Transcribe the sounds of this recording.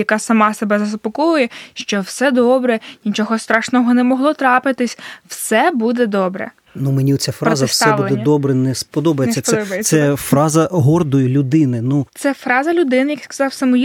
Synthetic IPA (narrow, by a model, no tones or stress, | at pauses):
jɐkɑsɐmɑsebɛzɐspɔkɔjʊjɛʃt͡ʃɔwsɛd̪ɔbɾɛnʲit͡ʃɔɦɔst̪ɾɑʃnɔɦɔnɛmɔɦlˠɔt̪ɾɑpɪt̪ɪsʲwsɛbud̪ɛd̪ɔbɾɛ̰ | numenʲiɔt͡sʲafɾɑzɐssɛʋulˠed̪ɛd̪ɔbɾɛnɛspɔd̪ɔbɐjet͡sʲːɐsɛɛfɾɑzɐɦɔrd̪ɔjʊlʲʊd̪ɪnɪnut̪sɛfɾɑzɐlʲʊd̪ɪnɪjɐkskɐ̥zɑwsɐmʊj